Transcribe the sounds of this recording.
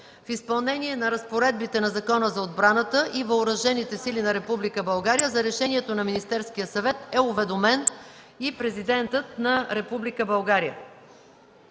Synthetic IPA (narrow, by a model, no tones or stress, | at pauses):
fispɐlˠnɛniɛnɐɾɐspoɾɛd̪̚bit̪ɛnɐzɐkɔnəzɐod̪̚bɾanət̪əʔivɐʊɾɐʒɛnit̪ɛsilinɐɾɛpublikəbɐlˠɡaɾijəzɐɾɛʃɛniɛt̪onɐminist̪ɛɾskijəsɐvɛt̪ɛʊvɛd̪omɛn | ipɾɛzid̪ɛnt̪ət̪̚nɐɾɛpublikəbɐlˠɡaɾijə̰